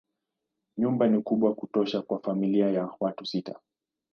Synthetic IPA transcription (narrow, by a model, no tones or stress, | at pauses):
ɲumbanikuɓwakutɔʃakwafamiliajawatusita